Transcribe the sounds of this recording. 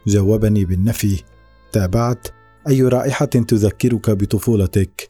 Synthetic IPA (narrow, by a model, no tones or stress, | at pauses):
d͡ʒawːabaniːbɪnːafi | t̪aːbaʕt̪ | ʔajːɾˤɑːʔɪħat̪ʊðakːɪɾʊkabɪt̪ˤʊfuːlɑt̪ak